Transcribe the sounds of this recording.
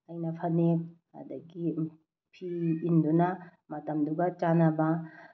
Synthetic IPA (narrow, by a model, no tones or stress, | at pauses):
ɐjnɐpʰɐne | a̰d̪ɐɡi | pʰiind̪una | mɐtɐmd̪uɡat͡ʃanaba